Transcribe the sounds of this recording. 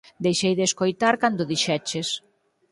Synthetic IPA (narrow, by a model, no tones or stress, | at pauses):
d̪ejʃejðeskojt̪aɾkand̪ʊðiʃɛt͡ʃes